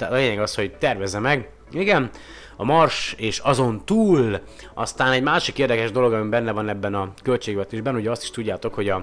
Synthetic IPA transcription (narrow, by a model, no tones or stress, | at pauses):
t̪aːt̪ɒleːɲɛɡɒsho̞ɟt̪ɛrvɛzɛmɛɡ | iɡɛn | ɒmɒrʃeːʃɒzo̞nt̪uːl | ʔɒst̪aːnɛɟmaːʃikeːrd̪ɛkɛʒd̪o̞lo̞ɡɒmibɛnːɛvɒnɛbːɛnɒkø̞lt͡ʃeːɡvɛt̪eːʒbɛnuɟɛɒst̪i̥ʃt̪uɟːaːt̪o̞kho̞ɟɒ